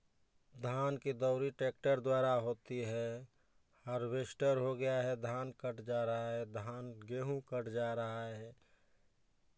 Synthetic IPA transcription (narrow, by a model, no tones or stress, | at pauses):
d̪ʱaːnkid̪ɔʊɾiʈeːk̚ʈəɾd̪waːɾaɦoːt̪iɦɛ | həɾweʃʈəɾɦoɡəjaɦɛd̪ʱaːnkəʈd͡ʒaːɾəɦaɦɛd̪ʱaːnɡeːɦũkəʈd͡ʒaːɾəɦaɦɦɛ